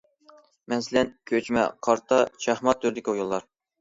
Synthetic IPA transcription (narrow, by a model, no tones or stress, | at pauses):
mɛnsɪlɛnkʲʰøt͡ʃmɛ̰qʰɑɾt̪ʰɑʃæhmɑt̪ʰːyɾd̪ɪkʲiujulˠːɑɾ